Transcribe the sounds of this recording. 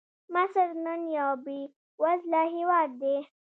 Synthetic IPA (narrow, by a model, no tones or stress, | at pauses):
masəɾnənjaːbi | wazlaɦiwaːd̪̚d̪e